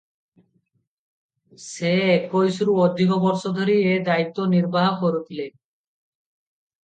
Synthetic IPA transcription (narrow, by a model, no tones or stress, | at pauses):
sekojsuɾuod̪ʱːikobɔɾʃod̪ʱoɾied̪ait̪ːoniɾbaɦakoɾut̪ʰile